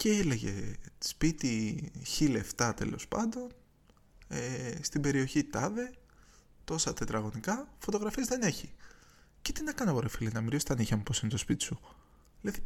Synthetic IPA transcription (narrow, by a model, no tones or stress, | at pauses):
ceele̞ʝe̞̰spit̪içileft̪ɐt̪e̞̰lo̞̰spɐ̰nd̪o̞n | est̪ibe̞ɾio̞çit̪ɐðe̞ | t̪o̞sɐt̪e̞t̪ɾɐɣo̞nikɐfo̞t̪o̞ɣɾɐfiezðe̞neçi | ce̞t̪inɐkɐnɐɣoɾefilinɐmiɾiso̥t̪ɐniçɐmupo̞sinet̪o̞spit̪i̥su | leði